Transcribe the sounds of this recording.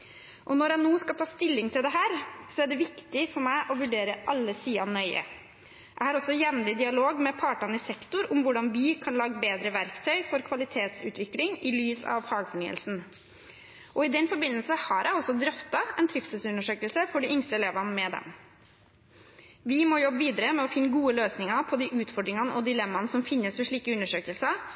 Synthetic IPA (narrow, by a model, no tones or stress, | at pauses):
ʔɔnɔɾjæɪnoːskɑlt̪ɑːst̪ɪlːɪŋt̪ʰɪld̪ɛɦæːɾsɔæɖɛʋɪkt̪ɪfɔɾmæɪʔɔʋʉɖeːɾəʔɑlːəsiːɑnœʏə̰ | ʔæɪhɑːɾɔsːɔjɛmlɪd̪ɪɑloːɡmɛpʰɑːʈɑnəɪsɛkt̪ʊɾʊmʋʊɖɑnbiːkʰɑnlɑːɡəbeːd̪ɾəʋæɾkt̪ʰœʏfɔɾkʰʋɑlɪt̪ʰeːt̪sʉ̰ːt̪ʋɪklɪŋɪlyːsɑ̰ʋfɑːɡfɔɳyːə̰lsn̩ | ʔɔɪd̪ɛnfɔɾbɪnːəlsəhɑɾʔæɪɔsːɔd̪ɾœft̪ɑɛnt̪ʰɾɪfsəsʉnːəʂøːkəlsəfɔɖɪʏŋst̪əɛleːʋɑnmɛd̪ɛ̰m | ʋɪmɔjɔbəʋiːd̪ɑɾəmɛɔfɪnːəɡuːəløːsnɪŋɑpʰɔd̪iʔʉːt̪fɔɖɾɪŋɑnəʔɔd̪ɪlɛmːɑnəsɔmfɪnːəsʋɛʂɭiːkəʉnːəʂøːkəlsə